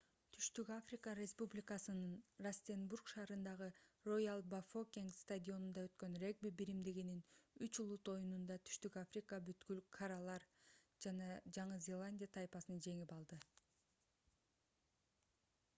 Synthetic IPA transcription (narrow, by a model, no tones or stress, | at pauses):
t̪ʰy̥ʃt̪ykafrʲikɑrʲe̞spublʲikɑsɯnɯnrasʲt̪ʲenburkʃɑːɾɯnd̪ɑʁɯrojalˠbafokʲiŋkst̪ad̪ʲio̞nund̪ɑø̞t̪kø̞nrʲe̞ɡ̚bibiɾimd̪iɡininyt͡ʃulˠut̪o̞junund̪ɑt̪ʰy̥ʃt̪ykafrʲikɑbyt̪kylkʰaɾɑlˠɑɾd͡ʒɑnɑd͡ʒɑɴɯzʲe̞lˠanʲdʲijat̪ʰajpɑsɯnɑd͡ʒe̞ŋipɑlˠd̪ɯ